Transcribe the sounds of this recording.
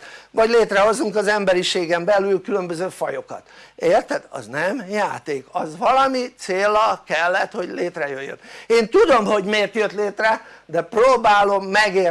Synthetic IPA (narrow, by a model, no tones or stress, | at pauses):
ʋvɒɟleːt̪rɛɦo̞zːuŋkɒzɛmbɛɾiʃeːɡɛmbɛlylkylø̞mbø̞zøːfɒjokɒt̪eːrt̪ɛd̪ɒ̰znɛmjaːt̪eːkɒzvɒlɒmit̪seːlːɒkɛlːɛt̪ho̞ɟleːt̪rɛjøjːø̰neːnt̪ud̪o̞mho̞ɟmeːrt̪jøt̪leːt̪rɛd̪ɛproːbaːlo̞mːɛɡeːr